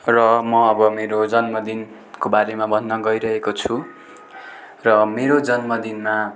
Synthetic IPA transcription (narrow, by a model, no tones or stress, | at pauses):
rʌmʌʌbʌmeɾod͡zʌnmʌd̪in | kobaɾemabʱʌnːʌɡʌjɾʌɦekot͡sʰu | rʌmeɾod͡zʌnmʌd̪inma